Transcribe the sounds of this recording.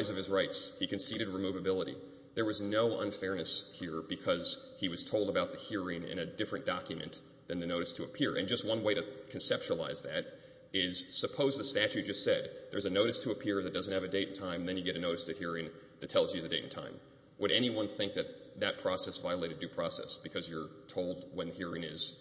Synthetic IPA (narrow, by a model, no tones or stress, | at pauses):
ɪzʌv̥ɨzɹaɪtshikɨ̃n̩siɾɨd̚ɹimuvɨbɪlˠəɾḭ | ðə˞wʌznoʊʔʌ̰̃nfɛɹnɨshiɹbɨkʰʌz̥ | iwʌz̥tʰoʊlˠdəbaʊt̪̚ðɨhiɹɪ̃ŋɪ̰̃ñɨdɪfɹɨ̃nd̥ɑkjɨmɨ̰̃n | ðɨ̃nðɨnoʊɾɨstʰɨəpʰɪɹʔɨ̰̃nd͡ʒʌst̚wʌ̃nweɪɾɨkʰn̩sɛp̚t͡ʃuəlˠa̰ɪzðɨɾ | ɪz̥səpʰoʊzðɨstæt͡ʃʉt̚d̥d͡ʒ̥ʌstsɛd̪̚ðə̰˞zɨnoʊɾɨstʰəːpʰɪɹə˞ðɨt̚d̥ʌzɨ̃n̩t̚ɨvɨdeɪɾn̩tʰãɪ̃m̩ðɨ̃njɨɡɛɾɨnoʊɾɨstʰɨhiɹɪ̃ŋ | ðɨtʰɛlˠzjɨðɨdeɪɾn̩tʰã̰ɪ̃m | wʔəɾɛniwʌ̃nθɪ̃ŋk̚ðɨt̪̚ðɨt̚pʰɹ̥ɔsɛsvaɪəleɪɾɨdɨpʰɹ̥ɔsɛ̰sb̥ɨkʰʌzjə˞tʰoʊlˠd̚wə̃nðɨhiɹɪ̃ŋɪz̥